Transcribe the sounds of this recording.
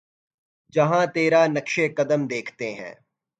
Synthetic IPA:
d͡ʒɐɦãt̪eːɾanɐkʃekɐd̪əmd̪eːkʰt̪eɦɛ̰̃ː

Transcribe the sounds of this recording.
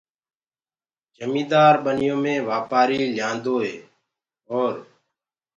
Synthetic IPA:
d͡ʒʱəmĩːd̪aːɾɓənɪjõːmẽːʋaːpaːɾiːljãːnd̪oːɦḛː | ɦoːɾ

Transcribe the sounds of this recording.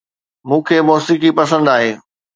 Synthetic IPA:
mũːkʰeːmɔːsikipɐsə̃nd̪aːɦeː

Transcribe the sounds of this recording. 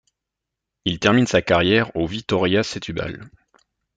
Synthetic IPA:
ilt̪ɛʁminsakaʁjɛʁovik̚t̪ɔʁjaset̪ʰyba̰l

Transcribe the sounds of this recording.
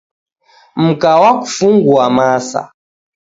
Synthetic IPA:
m̩kawaku̥fuŋɡuamasa̰

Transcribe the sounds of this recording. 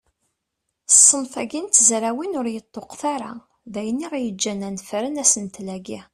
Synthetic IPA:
sˤːəmθæɡint̪zɾæwinʊɾjət̪ˤːoqθaɾa | ðæjənːiʁæjəd͡ʒːænænfɾənæsənt̪læɡi

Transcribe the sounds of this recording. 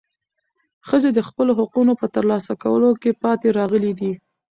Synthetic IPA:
xəzed̪əxpəloɦʊqunopət̪əɾlɑsakawəlokepɑt̪eɾɑɣəlid̪i

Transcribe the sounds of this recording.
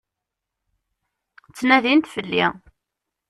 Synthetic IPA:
t͡sːnæðint̪fəlːḭ

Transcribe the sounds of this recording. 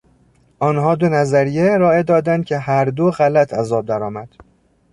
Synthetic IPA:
ʔɒːnhɒːd̪onæzæɾijeeɾɒːed̪ɒːd̪ænd̪̚cʰe̞ɦæɾd̪oɣælæt̪ʰæzɒːb̚d̪æɾɒːmæd̪̥

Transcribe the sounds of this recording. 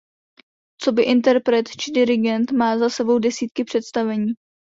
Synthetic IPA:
t͡so̞bɪʔɪnt̪ɛɾpɾɛt̪t͡ʃɪdɪɾɪɡɛnt̪maːzasɛbo̞wdɛsiːt̪kɪpr̝̥ɛt̪st̪avɛɲiː

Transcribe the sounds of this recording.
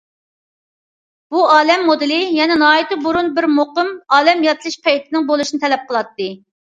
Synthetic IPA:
b̥uɑːlɛmːod̪ɨlɪjɛnɛnɑːit̪ɨbuɾunbɪɾmoqɨmɑːlɛmjɑt̪lˠɨʃpʰɛjt̪ʰɪnɪŋbolˠuʃinɨt̪ʰɛlɛp̚qəlˠɑt̪ːɨ

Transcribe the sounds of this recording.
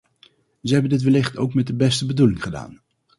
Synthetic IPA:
zəɦɛbəndɪtʋəlɪχto̰wkmɛt̚dəbɛstəbədulɪŋχəda̰ːn

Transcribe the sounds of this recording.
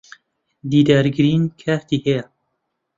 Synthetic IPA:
d̪iːd̪aɾɡɨɾiːnkʰæht̪iːhɛja

